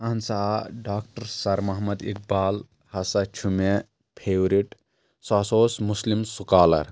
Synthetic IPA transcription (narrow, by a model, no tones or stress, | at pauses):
ɐnsaɖaːkʈɐɾsɐɾmɐɦmɐd̪ḭk̚baːl | hɐsɐt͡ʃʰume | pʰewɾiʈ | saːsoːsmuslimsukaːlɐ̰ɾ